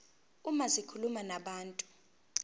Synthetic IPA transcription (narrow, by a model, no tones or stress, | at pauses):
umasikʰulumanaɓaːntʼu̥